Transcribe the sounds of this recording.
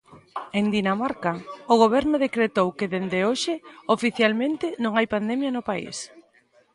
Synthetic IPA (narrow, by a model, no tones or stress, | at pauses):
end̪inamaɾkaoɣoβ̞ɛɾnʊðekɾet̪owkeðend̪eoʃɪofiθjalmẽnt̪ɪnõŋajpand̪ɛmjɐnʊpaḭs